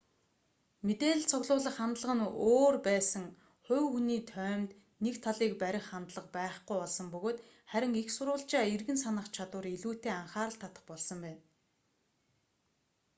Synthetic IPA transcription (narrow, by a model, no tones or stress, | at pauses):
met̪eːɮɘ̆ɮt͡sʰʊɣɮʊːɮə̆χant̪ɮə̆ʁə̆noːrpæːsə̆ŋ | χʊwxuniːt̪ʰœːmt̪ | nekt̪ʰaɮiːkpæɾʲɪ̆χːant̪ɮə̆qpæːχɡujɔɮsə̆mpɵɣoːt̪ | χæɾʲɪ̆ŋixsʊɾʊːɬt͡ɕaːirɣɘ̆nsanə̆χt͡ɕʰat̪wʊ̆ːriɮuːt̪eːaɴχaːɾə̆ɬt̪ʰːat̪ə̥̆χpɔɮsɞ̆mpæːn